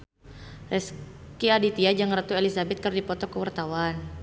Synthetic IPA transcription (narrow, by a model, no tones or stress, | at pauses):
ʔɛs | kiadit̪iad͡ʒaŋrət̪uelisabɛt̪̚kərdipɔt̪ɔkəwart̪awan